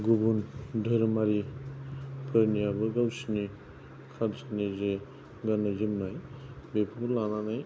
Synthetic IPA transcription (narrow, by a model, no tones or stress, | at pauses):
ɡubundʱəɾmaɾi | pʰɯɾnijabɯɡawsini | kʰalsʰanize | ɡanazimnajbepʰukulananaj